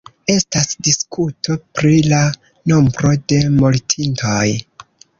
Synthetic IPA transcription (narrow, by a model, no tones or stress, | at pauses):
e̞stasdiskʰutʰo̞pɾila | no̞mbɾo̞de̞moltʰintʰoj